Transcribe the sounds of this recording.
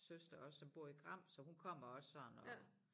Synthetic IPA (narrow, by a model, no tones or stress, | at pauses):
søsd̥ɐɒ̽sːɒ̽mb̥o̝ɐ̰iɡ̥ʁɑ̈m̰sɒ̽hunkʰɒ̽m̰ɐɒ̽ssɒ̽n̩ɒ